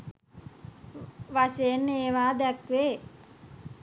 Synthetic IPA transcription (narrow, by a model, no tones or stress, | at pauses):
ʋaʃejenːeːʋaːd̪ɛkʋeː